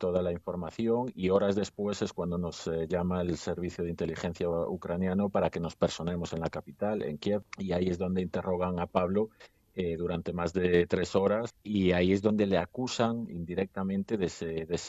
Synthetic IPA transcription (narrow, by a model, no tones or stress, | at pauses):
t̪oð̞alaiɱfo̞ɾmaθjo̞ŋio̞ɾazðe̞spwese̞skwand̪o̞no̞sʎamaelse̞ɾβ̞iθjoð̞eint̪e̞lixe̞n̟θjaukɾanjanopaɾake̞no̞speɾso̞nẽ̞mo̞se̞nlakapit̪alḛŋkjeβiaie̞zðo̞nd̪eint̪e̞ro̞ɣ̞aŋapaβlo | eðuɾant̪e̞mazðet̪ɾe̞so̞ɾasiaie̞zðo̞nd̪e̞leakusaŋḭnd̪iɾek̚t̪amẽ̞nt̪eðeseðes